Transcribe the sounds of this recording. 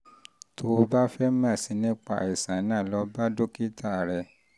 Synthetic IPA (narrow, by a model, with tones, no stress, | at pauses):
to˧ba˦fɛ˦mã˦˨si˧˦nĩ˦k͡pa̰˦i˨sã˨˦nã˦˨lɔ˧˦ba˦do˦ki˦ta˦˨ɾɛ˧˨